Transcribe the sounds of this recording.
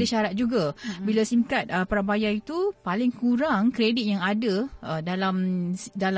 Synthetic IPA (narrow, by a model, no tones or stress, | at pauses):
dəʃaɾat̪̚d͡ʒuɡabilasiŋkat̪̚əpaɾabajait̪upalɪŋkuɾaŋkɾedit̪̚jaŋadaədalamsdal